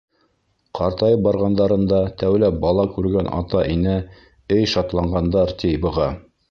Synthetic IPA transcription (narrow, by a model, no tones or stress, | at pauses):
qʰɑɾt̪ɑjɤpbɑɾʁɑnd̪ɑɾɤ̆nd̪ɑt̪æwlæp̚bɑlˠɑkʉɾɡænʔɑ̰t̪ɑʔinɘ | ɘjʃɑt̪lˠɑɴɢɑnd̪ɑɾt̪ʲijbɤ̆ʁɑ